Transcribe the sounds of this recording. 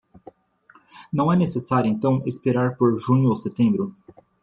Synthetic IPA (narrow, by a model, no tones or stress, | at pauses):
nɐ̃w̃ɛnesesaɾjʊẽnt̪ɐ̃w̃espeɾaɾpoɾʒũɲʊaset̪ẽmbɾʊ